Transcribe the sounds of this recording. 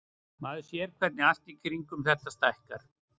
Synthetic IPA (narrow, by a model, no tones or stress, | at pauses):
maːðʏsjɛɾkʰvɛt̪nɪast̪icʰɾiŋkʏmθɛht̪ast̪aɛhkaɾ̥